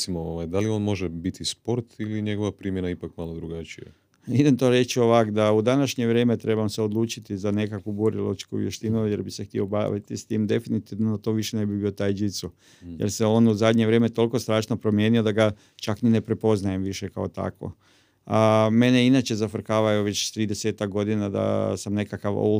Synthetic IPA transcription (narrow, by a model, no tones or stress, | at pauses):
simooʋajd̪alio̞ːnmo̞ʒebit̪ʰispo̞ɾt̪iliɲeɡoʋapɾimjenaipakmalˠod̪ɾuɡat͡ʃija̰ | id̪emt̪o̞ːɾe̞t͡ʃio̞ʋakd̪aud̪anaʃɲe̞ʋɾeːmet̪ɾe̞bamseod̪lˠuːt͡ʃit̪izane̞kakʋubuɾḭlˠo̰t͡ʃkuʋjḛʃt̪inuje̞ɾbisext̪io̞ba̰ːʋḭt̪ist̪iːmd̪e̞finit̪iʋnod̪at̪o̞ʋiʃene̞bibiːo̞t̪aːjd͡ʒit̪su | jeɾseo̞ːnuzad̪ɲeʋɾe̞met̪o̞lˠko̞st̪ɾaːʃnopɾo̞mjeːnio̞d̪aɡa | t͡ʃaknine̞pɾe̞po̞znaje̞mʋiʃekaot̪a̰kʋo̰ | ame̞neinat͡ʃe̞zafrɾkaːʋajoʋe̞t͡ɕt̪ɾiːd̪eseːt̪akɡo̞d̪inad̪a̰samne̞kakaʋo̰